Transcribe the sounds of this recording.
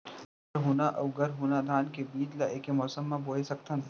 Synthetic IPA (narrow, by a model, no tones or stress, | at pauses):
ɐɾɦuːnaʔɐwɡɐɾɦuːnad̪ʱaːnkebiːd͡ʒlaʔeːkemɔːsəmːãboːesɐk̚t̪ʰɐ̃n